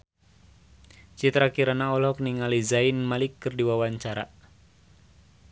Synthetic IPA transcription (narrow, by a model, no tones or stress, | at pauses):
t͡ʃit̪ɾakiɾanaɔlɔk̚niŋalizainmalikːɨrdiwawaɲt͡ʃaɾa